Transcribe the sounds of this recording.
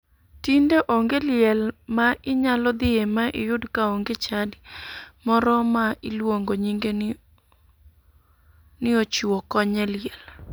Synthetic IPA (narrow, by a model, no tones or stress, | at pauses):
tindeʔoŋɡelɪjɛlmaʔɪɲalɔd̪ɪemaʔɪ̰jʊdkaoŋɡet͡ʃadɪmɔɾɔmaʔɪlwoŋɡoɲiŋɡe | nɪot͡ʃuwɔkɔɲɛljɛl